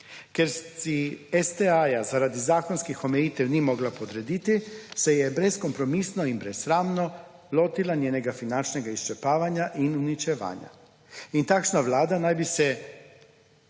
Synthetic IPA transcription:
keɾsiest̪eajazaɾad̪izaːkonskixo̞meit̪elnimo̞ɡlapod̪ɾed̪it̪isejebɾesko̞mpɾo̞misnoimbɾesɾaːmno | lot̪ilanjeːneɡafinant͡ʃneɡaist͡ʃepaːʋaɲaʔinunit͡ʃeʋa̰ːɲa̰ | int̪akʃnaʋlaːd̪anajbise

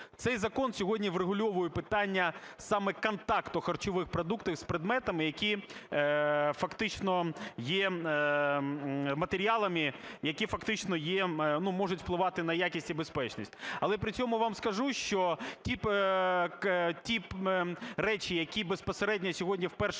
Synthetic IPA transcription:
t̪sɛjzɐkɔnsʲɔɦɔdʲnʲiʋreɦʊlʲɔʋʊjʊpɪt̪ɑnʲːɐsɑmɛkɐnt̪ɑkt̪ɔxɐrt͡ʃɔʋɪxpɾɐd̪ukt̪ɪxspɾɪd̪mɛt̪ɐmɪjɐkʲi | fɐkt̪ɪt͡ʃnɔjɛ | mɐt̪eɾʲiɑlˠɐmɪjɐkʲifɐkt̪ɪt͡ʃnɔjɛnumɔʐʊtʲfplˠɪʋɑt̪ɪnɐjakʲisʲtʲibespɛt͡ʃnisʲtʲɐlˠɛpɾɪt͡ssʲɔmʊʋamskɐʒuʃt͡ʃɔtʲip | tʲi | ɾɛt͡ʃʲijɐkʲibespɔseɾɛdʲnʲɐsʲɔɦɔdʲnʲiwpɛrʃ

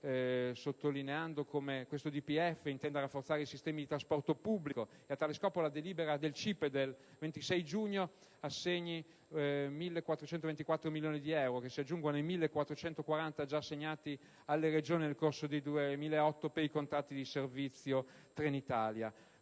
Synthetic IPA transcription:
sot̪ːolineand̪okʰomekwest̪od̪ipiɛfːeint̪ɛnd̪aɾafːort̪saɾeisist̪ɛːmid̪it̪ɾaspɔrt̪opubːliko | eat̪ːaːleskɔːpolad̪eliːbeɾad̪elt͡ʃipːd̪el | vent̪isɛjd͡ʒuɲːo | asːeɲːi | milːekwat̪ːɾot͡ʃɛnt̪ovent̪ikwat̪ːɾomiljoːnid̪iɛwɾokesiad͡ʒːuŋɡonejmilːekwat̪ːɾot͡ʃɛnt̪okwaɾant̪ad͡ʒaːsːeɲːaːt̪i | alːered͡ʒoːninelkorsod̪ejd̪uemiːlaeɔt̪ːopeɾikont̪ɾat̪ːid̪iservit̪sːjot̪ɾenit̪aːlja

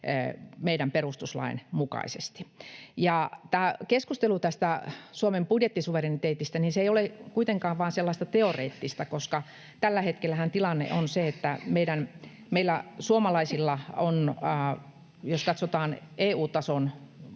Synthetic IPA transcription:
meiɾæmperust̪uslɑ̰inmukɑ̰isḛst̪i̥jɑt̪æːkeskust̪elut̪æst̪æsuomempudjet̪ːisuʋerenːit̪eːt̪ist̪æninseijolekuit̪eŋkɑːʋʋɑːnselːɑist̪ɑt̪eorḛːt̪ːist̪ɑkoskɑ | t̪ælːæhet̪kelːæhænt̪ilɑnːḛʔonseet̪ːæmeiɾæn | meilːæsuomɑlɑisilːɑonː | joskɑt̪sot̪ɑːneːuːt̪ɑson

